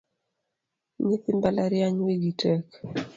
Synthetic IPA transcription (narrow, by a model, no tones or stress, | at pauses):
ɲɪt̪ɪmbalaɾjaɲweɡitɛk